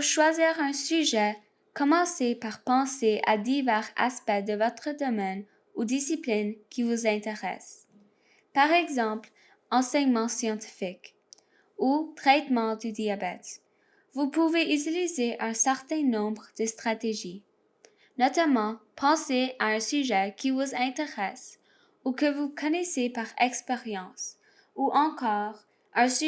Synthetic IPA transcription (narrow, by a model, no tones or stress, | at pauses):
ʃwaziːʁɛ̃syʒɛ | kɔmɑ̃sepaʁpɑ̃seʔa̰d̪ivɛʁa̰spɛd̪əvɔt̪χəd̪ɔmɛn | ud̪isiplinkʲʰivuzɛ̃t̪eʁɛ̰s | paʁɛɡzɑ̃pl | ɑ̃sɛɲmɑ̃sjɑ̃t̪i̥fik | ut̪χɛt̪mɑ̃d̪yd̪iabɛt̪ | vupuveʔyt̪ilizeʔɛ̃sɛʁt̪ɛ̃nɔ̃bʁəd̪̥əst̪χat̪eʒi | nɔt̪amɑ̃pʰɑ̃seaɛ̃syʒɛkʰʲivuzɛ̃t̪eʁɛs | ukəvukʰɔnɛsepaʁɛkspeʁjɑ̃s | uʔɑ̃kɔːʁ | ɛ̃s